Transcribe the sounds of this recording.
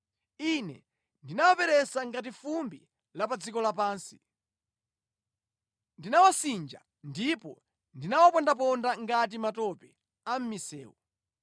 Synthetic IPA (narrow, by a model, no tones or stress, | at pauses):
inɛ̰ | ndinawapɛɾɛsaŋɡat̬ifumbi | lapad͡zikɔlapaːnsi̥ | ndinawasind͡ʒa̰ | ndipɔ̰ | ndinawapɔndap̬ɔndaŋɡat̬imatɔpɛ | am̩misɛːwɔ̰